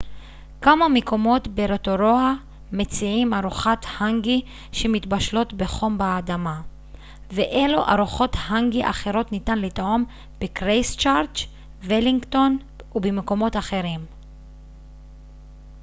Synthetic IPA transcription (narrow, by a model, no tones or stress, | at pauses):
kamameko̞mo̞tbeɾetoɾoa | met͡siimaʁuχat̪haŋɡi | ʃemitbaʃlo̞tbeχo̞mbaːdama | veʔeluʔa̰ʁuχo̞thaŋɡiʔa̰χeʁo̞tnitanlitom | b̥ekʁejst͡ʃaʁt͡ʃ | veliŋɡto̞n | ubemeko̞mo̞taχe̞ʁim